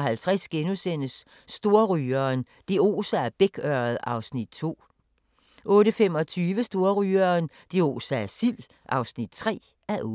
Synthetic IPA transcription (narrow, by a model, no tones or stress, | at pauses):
ɦælt͡sʰʁasɡ̥enusen̰əsː | d̥o̝ɐʁyːɐn | d̥eo̝̰ːsææɐb̥eɡ̥ɶɐð̩ˠɑ̈ʊsnid̥̚t͡sʰo̝̰ː | ʔɔ̽ːɾəfem̰ɒ̽t͡sʰyːʋəsd̥o̝ɐʁyːɐn | d̥e̝o̝̰ːsææɐsil | ʔɑ̈ʊsnid̥̚t͡sʰʁɛ̰ː | æɐʔː